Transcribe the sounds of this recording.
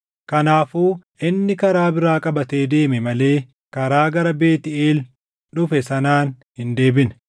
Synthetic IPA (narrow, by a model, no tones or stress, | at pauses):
kɐnaːfuːʔɪnːɪkɐɾaːbɪɾaːkʼɐbɐt̪e̞ːd̪e̞ːmɛmɐle̞ː | kɐɾaːɡɐɾɐbe̞ːt̪ɪeːl | ᶑʊfɛsɐnaːn | hɪnd̪e̞ːbɪn